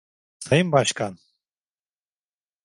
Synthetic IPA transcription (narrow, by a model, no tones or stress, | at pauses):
sajɯmbaʃkʰan